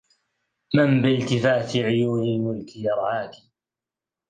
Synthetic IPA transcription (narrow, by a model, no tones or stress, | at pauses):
mambɪlt̪ɪfaːt̪ɪʕɪjuːnɪlmʊlkɪjɑɾˤʔaːt̪i̥